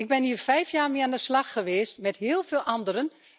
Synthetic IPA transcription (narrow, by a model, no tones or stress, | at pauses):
ɪɡ̚bɪniːərfɛjfjaːrmɪːandəslɑxːəʋeːstmɛtɦɪːlˠveːlˠʔɑndəɾən